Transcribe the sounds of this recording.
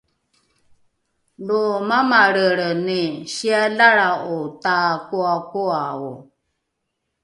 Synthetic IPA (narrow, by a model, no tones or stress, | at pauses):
domamaɾəɾənɪʃialaɾaʔotakuakoawo